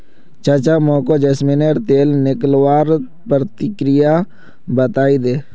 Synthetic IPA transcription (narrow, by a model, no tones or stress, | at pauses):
t͡ʃət͡ʃamõːkod͡ʒesmɪneːɾt̪eːlnɪklwaːɾ | pɾət̪ɪkɾɪja | bət̪aːid̪eː